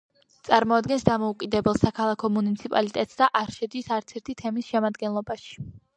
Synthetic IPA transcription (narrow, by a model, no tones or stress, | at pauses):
t̪sʼaɾmɔad̪ɡɛnsd̪amɔukʼid̪ɛbɛlˠsakʰalˠakʰɔmunit̪sʰipʼalit̪ʼɛt̪ʼsd̪aʔaɾʃɛd̪isaɾt̪sʰɛɾt̪ʰit̪ʰɛmisʃɛmad̪ɡɛnlˠɔbaʃi̥